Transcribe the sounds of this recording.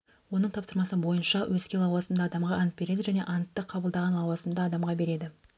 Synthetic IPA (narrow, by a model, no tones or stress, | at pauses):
wo̞nəɴt̪ʰɑpsəɾmɑsəbo̞jənʃɑwʔɵzkʲe̞lˠɑwɑzəmd̪ɑd̪ɑmʁɑʔɑnət̪̚be̞ɾe̞d̪ɪʒæne̞ʔɑnt̪ːəqʰɑbəlˠd̪ɑʁɑnlˠɑwɑzəmd̪ɑːd̪ɑmʁɑbe̞ɾe̞d̪ɪ